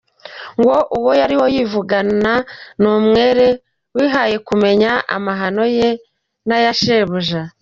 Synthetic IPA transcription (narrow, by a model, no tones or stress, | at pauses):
ŋɡo̞ʔuwojaɾiwo̞jivuɡananuːmŋe̞ːɾe̞ | wiːɦaje̞kume̞ɲaʔa̰maɦano̞je | najaʃe̞ːβuʒa